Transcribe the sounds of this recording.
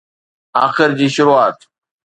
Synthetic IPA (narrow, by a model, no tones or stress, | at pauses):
aːxɪɾd͡ʑiːʃʊɾuaːt̪